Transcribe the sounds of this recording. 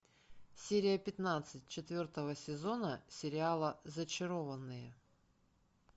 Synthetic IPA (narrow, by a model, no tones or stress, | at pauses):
sʲeɾʲɪjəpʲɪt̪nat̪sɨt̚ʲt͡ɕɪt̪vʲo̞rt̪əvəsʲɪzo̞nəsʲɪɾʲɪalˠəzət͡ɕɪɾo̞vənːɨjə